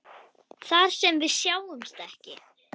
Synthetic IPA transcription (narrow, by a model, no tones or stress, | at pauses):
θaɾ̥sɛmvɪðsjaːwðʏmst̪ɛhcɪ